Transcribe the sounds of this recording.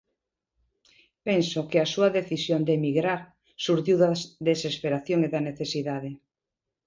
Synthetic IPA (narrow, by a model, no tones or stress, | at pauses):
pensokeasuaðeθisjond̪emiɣɾaɾ | suɾtiwðaðesespeɾaθjoŋeðaneθesiðaðe